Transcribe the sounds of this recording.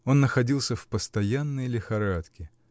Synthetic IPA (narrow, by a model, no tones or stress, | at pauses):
o̞nːəxɐdʲilˠsʲəfpəst̪ɐjanːəjlʲɪxɐɾat̪kʲɪ